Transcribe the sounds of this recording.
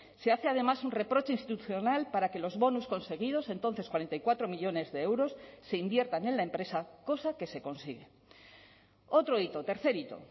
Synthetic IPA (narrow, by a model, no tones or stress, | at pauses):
se̞aθe̞að̞e̞masunre̞pɾo̞t͡ʃeinst̪it̪uθjo̞nalpaɾake̞lo̞zβo̞nusko̞nse̞ɣ̞ið̞o̞se̞nt̪o̞nθe̞skwaɾent̪ajkwat̪ɾo̞miʎo̞ne̞zðe̞ewɾo̞sːe̞imbje̞ɾt̪anẽ̞nlaempɾe̞sako̞sake̞se̞ko̞nsiɣe̞ | o̞t̪ɾo̞it̪o̞t̪e̞ɾθe̞ɾit̪o̞̰